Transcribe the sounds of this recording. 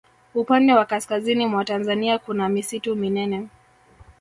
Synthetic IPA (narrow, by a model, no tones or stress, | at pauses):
upandɛwakaskazinimwatanzaniakunamisituminɛnɛ